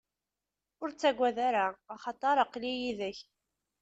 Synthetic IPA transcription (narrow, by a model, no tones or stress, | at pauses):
ʊɾt͡sːæɡʷːæðaɾaːχɑt̪ˤɑɾˤɑqlijiðəç